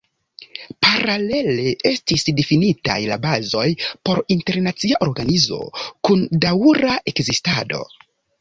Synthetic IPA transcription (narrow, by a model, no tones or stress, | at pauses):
paɾale̞le̞ʔe̞stisdefinita̰jla̰bazo̞jpo̞ɾinte̞ɾnat͡siaʔo̞ɾɡanizo̞̰kundauɾaʔe̞kzistado̞̰